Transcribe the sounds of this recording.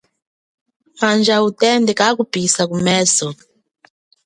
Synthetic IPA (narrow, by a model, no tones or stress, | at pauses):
mand͡ʒautɛndɛkak̬upisakumɛːsɔ